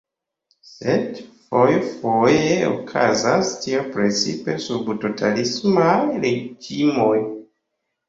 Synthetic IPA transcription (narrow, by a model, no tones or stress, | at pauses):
sedfojfojeo̰kʰa̰zastiopɾe̞t͡sipe̞subto̞tʰalismajɾe̞d͡ʒimoj